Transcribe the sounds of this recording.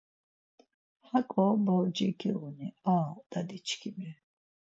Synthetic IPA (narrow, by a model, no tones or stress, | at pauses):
hakʼɔbawd͡ʒɛkʰiʁuniad̪̥ad̪it͡ʃʰkʰimi